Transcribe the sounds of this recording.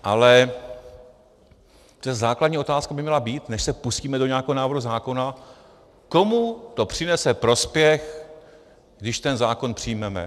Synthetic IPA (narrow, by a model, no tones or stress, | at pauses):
ʔalɛ | rɛzzaːkladɲiːo̞t̪aːskabɪmɲɛlabiːt̪nɛʃsɛpusciːmɛdo̞ɲɛakɛɦonaːvɾhuzaːko̞na | ko̞mut̪o̞pr̝̥ɪnɛsɛpɾo̞spjɛx | ɡdɪʃt̪ɛnzaːko̞npr̝̥ɪjmɛmɛ̰